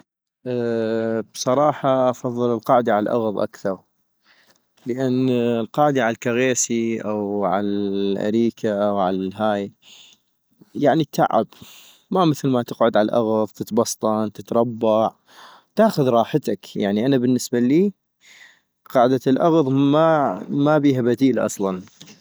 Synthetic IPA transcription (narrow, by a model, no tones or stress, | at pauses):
ʔ | b̥sˤɑɾˤɑːħɑʔɑfɑðˤːɨləlqɑːʕd̪aʕalalʔɑ̰ɣðˤʔa̰kθɑɾˤ | ləʔanːlqɑːʕɪd̪aʕalkaɣeːsiʔawʕalaʔa̰ɾiːkʰaʔawʕalaɦaːj | jaʕnit̪ʰa̰ʕɪ̰b | maməθlmat̪ɪqʕʊd̪ʕalʔɑɣðˤt̪ət̪bɑsˤt̪ˤɑnt̪ɪt̪ɾˤɑbːɑʕ | t̪aːxʊðɾˤɑːħət̪akjaʕniʔanabənːɪsbaliː | qɑːʕd̪alʔɑɣðˤmamabiːɦabad̪iːlʔɑ̰sˤlɑn